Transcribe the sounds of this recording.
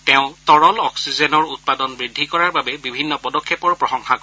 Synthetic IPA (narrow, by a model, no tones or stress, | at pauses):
tɛʊ̃tɔɹɔlɔksizɛnɔɹut̚padɔnbɹidʱːikɔɹaɹbabɛbibʱinːɔpɔdɔkʰːɛpɔɹpɹɔxɔŋxakɔ